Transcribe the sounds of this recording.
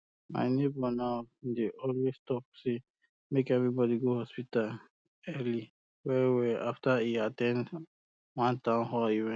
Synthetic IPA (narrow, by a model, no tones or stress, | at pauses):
ma̰ɪnebɔnaʊdeʔɔlwestɔp̚se | mekɛvɹibɔdiɡohɔspital | ɛli | wɛwɛʔaftaiatɛ̃nd | wãntãmhɔiwɛ̃